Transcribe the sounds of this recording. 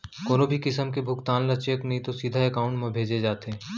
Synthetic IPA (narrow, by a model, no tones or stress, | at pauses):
koːnobʱikɪsəmkebʱʊkt̪aːnlɐt͡ʃjəknɐɦĩt̪osiːd̪ʱaɛkaːʊ̃ɳʈmẽbʱeːd͡ʒed͡ʒaːt̪eː